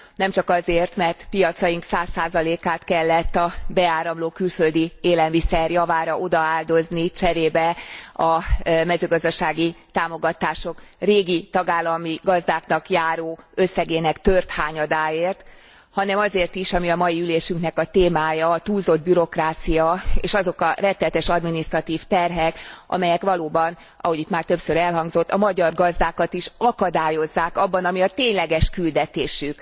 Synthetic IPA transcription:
nɛmt͡ʃɒkɒzeːrt̪mɛrt̪pijɒt̪sɒjiŋksaːsːaːzɒleːkaːt̪kɛlːɛt̪ːɒbɛaːɾɒmloːkylfø̞ld̪ieːlɛlmisɛrjɒvaːɾɒʔo̞d̪ɒaːld̪o̞znit͡ʃɛɾeːbɛɒmɛzøːɡɒzd̪ɒʃaːɡit̪aːmo̞ɡɒt̪aːʃo̞kreːɡit̪ɒɡaːlːɒmiɡɒzd̪aːknɒkjaːɾoːøsːɛɡeːnɛkt̪ørt̪haːɲɒd̪aːeːrt̪ | hɒnɛmɒzeːrt̪iʃɒmiɒmɒjiyleːʃyŋknɛkɒt̪eːmaːjɒt̪uːlzo̞d̪̚byɾo̞kraːt̪sijɒḛːʃɒzo̞kɒrɛt̪ːɛlɛt̪ɛʃɒd̪minist̪rɒt̪iːft̪ɛrɦɛkɒ̰mɛjɛkʋɒloːbɒn | ʔɒ̰ho̞ɟit̪maːrt̪ø̞psøɾɛlɦɒŋɡzo̞t̪ːɒmɒɟɒrɡɒzd̪aːkɒt̪iʃɒkɒd̪aːjo̞zːaːkɒbːɒnɒmiɒt̪eːɲlɛɡɛʃkyld̪ɛt̪eːʃyk

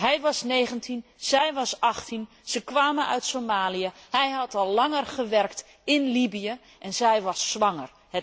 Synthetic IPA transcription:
ɦɛjʋɑsneːɣəntʰinz̥ɛjʋɑsɑxtʰin | z̥əkʋaːmənœ̰ɥtsomaːliəhɛjɦɑtɔlˠːɑŋərχəʋɛrkt | ɪnlibijə | ʔɛnzɛjʋɑsːʋɑŋər | hɛ

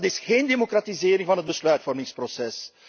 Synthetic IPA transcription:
tɪsxeːndemokratizeːɾɪŋvɑnɦət̚bəslœɥtfɔrmɪŋsprosɛs

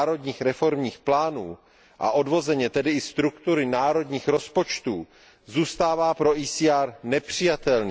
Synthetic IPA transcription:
ɾo̞dɲiːxɾɛfo̞ɾmɲiːxplaːnuː | ʔa̰ʔo̞dvo̞zɛɲɛt̪ɛdɪɪst̪ɾukt̪uɾɪnaːɾo̞dɲiːxɾo̞spo̞t͡ʃt̪uː | zuːst̪aːvaːpɾo̞ʔiːsiːaːɾnɛpr̝̥ɪjat̪ɛlnɛ

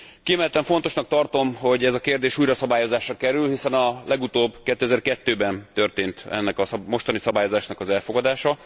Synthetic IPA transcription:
kiɛmɛlt̪ɛɱfo̞n̪t̪o̞ʃnɒk̚t̪ɒrt̪o̞mho̞ɟɛzɒkeːrd̪eːʃuːjɾɒsɒbaːjo̞zaːʃrɒkɛɾylhisɛnɒlʔɛɡut̪oːbkɛt̪ːøɛzɛrkɛt̪ːøːbɛnt̪ø̞rt̪eːnt̪ɛ̰nːɛkɒsmo̞ʃt̪ɒnisɒbaːjo̞zaːʃnɒkɒzɛlfo̞ɡɒd̪aːʃɒ

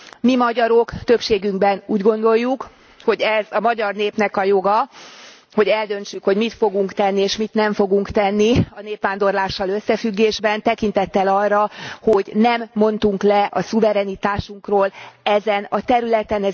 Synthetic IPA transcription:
mimɒɟɒɾo̞kt̪ø̞pʃeːɡyŋɡbɛnuːɟɡo̞nd̪o̞jːuk | ho̞ɟɛzɒmɒɟɒrneːpnɛkɒjo̞ɡɒ | ho̞ɟɛld̪ø̞nt͡ʃykho̞ɟmit̪fo̞ɡuŋkt̪ɛnːieːʃmit̪nɛɱfo̞ɡuŋkt̪ɛnːiɒneːpʋaːnd̪o̞rlaːʃːɒlø̞sːɛfyɡːeːʒbɛnt̪ɛkint̪ɛt̪ːɛlɒrːɒho̞ɟnɛmːo̞nt̪uŋklɛʔɒsuvɛɾɛnit̪aːʃuŋkroːlɛzɛnɒt̪ɛɾylɛt̪ɛnɛ

